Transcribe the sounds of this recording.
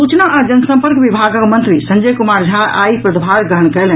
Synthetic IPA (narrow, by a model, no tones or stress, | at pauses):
sut͡ʃnəʔad͡ʒənəsə̃mpəɾkbibʱaɡəkmə̃nt̪ɾisənd͡ʒəjkumaɾd͡ʒʱaʔa̰ipɾəd̪bʱaɾɡəɦəɳkɛlən